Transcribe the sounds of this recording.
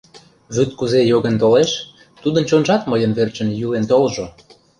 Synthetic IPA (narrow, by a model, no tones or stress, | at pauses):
βyt̪kuzejoɣənt̪oleʃ | t̪ud̪ə̆nt͡ɕonʒɑt̪məjə̆nβert͡ɕə̆njylent̪olʒo